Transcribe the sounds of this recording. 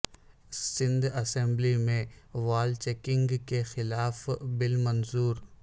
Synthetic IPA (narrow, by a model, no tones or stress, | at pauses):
sɪ̃nd̪ɐsɛ̃mblimẽʋaːlt͡ʃeːkɪ̃ŋɡkexɪlaːfbɪlmɐnzuːɾ